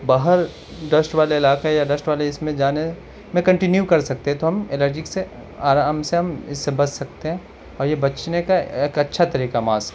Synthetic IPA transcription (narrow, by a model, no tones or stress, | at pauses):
baːɦəɾ | ɖɐsʈʋaːleɪlaːkejaɖɐsʈʋaːleɪsmẽd͡ʒaːne | mẽkɐ̃ɳʈɪnjukɐɾsɐk̚t̪ẽɦɛ̃t̪oɦɐmeləɾd͡ʒɪkse | aːɾaːmseɦɐmɪsːebɐssɐk̚t̪eɦɛ̃ː | ɔːɾjebɐt͡ʃnekaeːkɐtːʃʰat̪ɐɾiːkamaːs